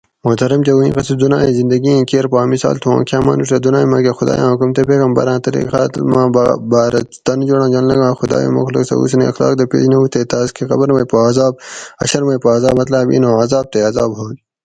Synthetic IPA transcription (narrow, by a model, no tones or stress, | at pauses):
mot̪ɐɾɐmt͡ɕeuĩːqɐsid̪unaːĩzind̪ɐɡiẽːkeːɾpaːmisa̰ːlt̪ʰuã̰ːkʰjaːmaːnuʈɐd̪unãːĩmaːkexud̪a̰ːjã̰ːukumt̪epeːkɐmbɐ̰ɾãːt̪ɐɾḭxaːt̪lmãːbaːɾɐt̪ɐnd͡ʒoɽãːd͡ʒɐllɐɡãːxud̪a̰ːjõ̰ːmɐ̰xlɐ̰ksɐ̰ṵːsɐnḭɐxla̰ːk̚d̪ɐpḛːd͡ʒnɐut̪et̪aːzkʰexɐbɐɾmɐjpoaːzaːbɐ̰ɕɐɾmɐjpoaːzaːbmɐt̪laːbḭnõːɐzaːb̚t̪eɐzaːbɦoːl